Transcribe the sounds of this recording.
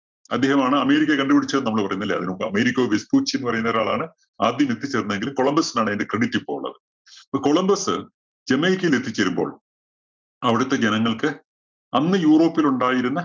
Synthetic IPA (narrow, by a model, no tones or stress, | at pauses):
ɐ̰d̪ːe̞ːhɐmaːɳɨɐme̞ːɾikʲːɐkɐɳɖɨpiɽit͡ɕːɐnɐmːɐɭpɐrɐjunːilːɐ̰ɐ̰ðinokːɨɐ̰meːɾikʲːɐoːʋespuːt͡ɕːinːɨpɐrɐjunɐːɾaːɭa̰ːɳɨ | aːd̪jɐmet̪ʰːit͡ɕːɐɾunːeŋɡilko̞ɭɐmbɐsinaːɳendekreɽitːipːo̞ːuɭːɐ̰ðɨ | ɐpːoko̞ɭɐmbɐsɨ̰ | d͡ʑemːɐjikʲːɐjilet̪ʰːit͡ɕːɐɾumbo̞̰ːɭ | ɐʋiɽut̪ːe̞d͡ʑenɐŋːɐɭkɨ | ɐnːɨjuːro̞ːpːiluɳɖaːjiɾunːɐ